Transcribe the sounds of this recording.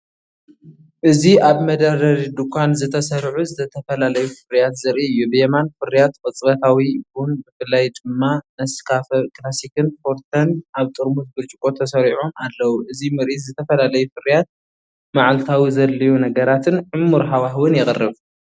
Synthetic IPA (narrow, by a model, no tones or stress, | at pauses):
ʔɨziʔaβmɐd̪ɐɾɐɾid̪ukʰʷanzɨt̪ʰɐsɐɾʕuzɨt̪ʰɐt̪ʰɐfɐlalɐjufɨrijat̪zɐɾʔiɨjːubɨjɛmanfɨɾijat̪kʼɨt͡sʼbɐt̪ʰawibʊnbɨfɨlːajd̪ɨmːanɐskʰafɐkʼlasikʰɨnfo̞ɾt̪ʰɐnʔaβt̪ʼɨɾmut̪̚bɨɾt͡ʃʼɨkʼo̞t̪ʰɐsɐɾiʕomalːɐwuʔɨzimɨɾʔit̪zɨt̪ʰɐfɐlalɐjufɨrijat̪̚ | maʕalt̪ʰawizɐlːijunɐɡɐɾat̪ʰɨnʕɨmːuɾɦawaɦwɨnjɪχʼɨrːɨβ